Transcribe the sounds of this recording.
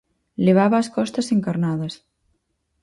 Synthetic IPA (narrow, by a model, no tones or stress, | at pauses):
leβ̞aβɐːskɔst̪ɐseŋkaɾnaðɐs